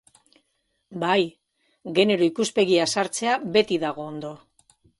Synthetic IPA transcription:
baj | ɣe̞ne̞ɾo̞ikuspe̞ɣiasaɾt͡se̞aβe̞t̪iðaɣ̞oːnd̪o̞

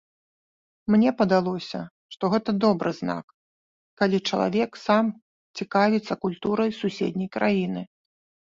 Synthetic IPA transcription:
mnʲɛpɐd̪alˠɔsʲɐ̰ | ʂt̪ɔɣɛt̪ɐd̪ɔbɾɨzna̰k | kːalʲit͡ʂɐlˠa̰vʲɛksam | t͡sʲikavʲit̪sːɐkulʲt̪uɾɐjsusʲḛd̪ʲnʲɐjkɾʔajinɨ

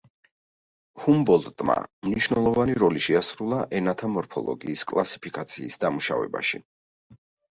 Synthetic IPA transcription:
humbɔlˠt̪t̪ʼma̰mniʃvnɛlˠɔvaniɾɔliʃɛasɾulˠaʔɛnat̪ʰamɔɾpʰɔlˠɔ̰ɡiːskʼlˠasi̥pʰikʼat̪sʰiːsd̪amuʃa̰vɛ̰ba̰ʃḭ

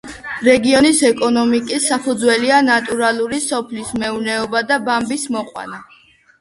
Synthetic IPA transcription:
ɾɛɡiɔnisɛkʼɔnɔmikʼisːapʰud̪zwɛlianat̪ʼuɾalˠuɾisɔpʰlismɛunɛɔbad̪abambismɔqʼwa̰na

